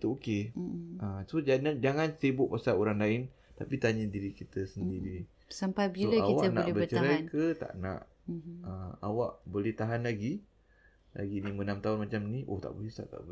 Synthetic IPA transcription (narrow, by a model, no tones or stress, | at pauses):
it̪uokeʔəsod͡ʒanand͡ʒaŋansibʊʔ̚pasaloɾaŋlaɪn | t̪apit̪aɲadiɾikit̪əsəndiɾi | sampajbiolaaiwat̪ana̰ʔbəət͡ʃəaɾajnkət̪a̰ʔna̰ʔ | əa̰waʔbolɛht̪aɦanlaɡi | la̰ɡinimənamt̪aɦʊnmat͡ʃamniʔo̰ht̪a̰ʔbolisa̰ʔt̪a̰ʔb